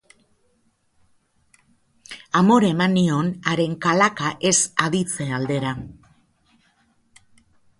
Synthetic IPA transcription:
amo̞ɾe̞manio̞naɾe̞ŋkalakaʔe̞saðit͡se̞ald̪e̞ɾa

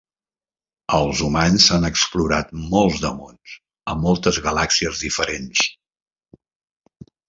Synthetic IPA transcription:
əlˠzumanzsanəkspluɾat̪̚mɔlˠzðəmons | əmɔlˠt̪əzɣəlaksiəzðifəɾens

